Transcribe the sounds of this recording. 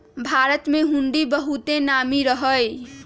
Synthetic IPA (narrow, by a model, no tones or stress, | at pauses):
bʱaɾət̪meɦuɳɖibəɦut̪enamiɾəɦəj